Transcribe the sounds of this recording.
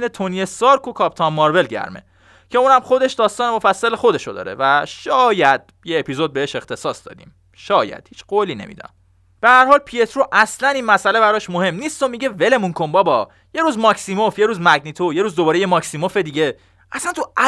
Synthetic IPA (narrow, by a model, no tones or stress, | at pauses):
net̪ʰoniesɒːɾkʰokʰɒːp̚t̪ʰɒmːɒɾve̞lɟæ̰ɾme̞̰ | cʰe̞uːnæmχo̞d̪e̞ʃd̪ɒːst̪ɒːnemo̞fæsːælexo̞d̪e̞ʃod̪ɒ̰ːɾe̞̰væʃɒːjæd̪̥̚ | jeːpizod̪̚beeʃe̞xt̪ʰe̞sɒːsd̪ɒ̰ːd̪ḭːm | ʃɒːjæ̰d̪̥hiːt͡ʃʰɢ̥oːliːne̞̰mḭd̪ɒ̰ | b̥e̞hæɾhɒːlpʰiet̪ʰɾoʔæslæniːnmæsælebæɾɒːʃmohe̞mːniːst̪t̪omiɟe̞ve̞le̞muŋkʰombɒbɒ | je̞ɾuːzmɒːksimofje̞ɾuːzmæɡnit̪ʰoje̞ɾuːzd̪obɒːɾejemɒksimofe̞d̪iːɟe̞ | ʔæsænt̪ʰuæ